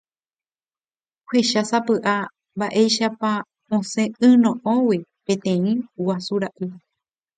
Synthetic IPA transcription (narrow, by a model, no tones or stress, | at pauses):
heʃasapɨʔa | mbaʔe̞jʃapa | õsẽɨ̃nõʔõwepẽ̞t̪ẽ̞ĩwasuɾaʔɨ